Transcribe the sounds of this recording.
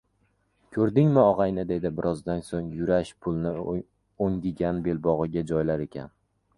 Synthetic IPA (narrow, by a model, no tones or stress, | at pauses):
kʲʰɵɾd̪ɪŋmɪɒʁɑjnɪd̪e̞d̪ɪbɪɾʔɒzd̪ansoŋjʊɾaʃpʰʊlˠnɪ | oŋd̪ɪɡʲanbe̞lbɒʁɨɡʲad͡ʒɒjlaɾe̞kʲʰa̰n